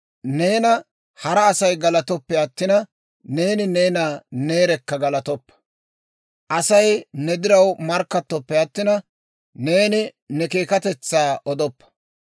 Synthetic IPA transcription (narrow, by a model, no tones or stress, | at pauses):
ne̞ːnɐ | hɐɾɐːsɐjɡɐlɐt̪ɔpːɛɐt̪ːɪnɐ | ne̞ːnɪne̞ːnaːne̞ːɾɛkːɐɡɐlɐt̪ɔpːɐ̥ | ʔɐsɐjnɛd̪ɪɾɐwmɐɾkːɐt̪ːɔpːɛɐt̪ːɪnɐ | ne̞ːnɪ | nɛke̞ːkɐt̪ɛt͡sːaːʔɔd̪ɔpːɐ̥